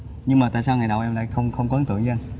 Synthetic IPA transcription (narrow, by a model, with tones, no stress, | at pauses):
ɲɨ˧ŋmaː˨˩t̪a̰ː˧˨saː˧wŋa˨˩jɗə˨˩wʔɛ˧mla̰ː˧˨jxə˧wŋ͡mxə˧wŋ͡mkɔ˧˦˨nt̪ɨ̰˧˨əŋt͡ɕːn